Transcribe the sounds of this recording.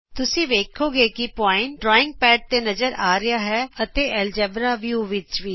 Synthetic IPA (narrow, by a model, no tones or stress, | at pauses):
t̪ʊsĩːʋeːkʰoːɡeːkɪpɔːɪɳʈɖɾɔːɪ̃ŋɡ̚pɛːʈ̚t̪eːnəzəɾaːɾɪjaːɦɛːət̪eːɛːld͡ʒɛːbɾaːʋjuːʋɪt͡ʃʋiː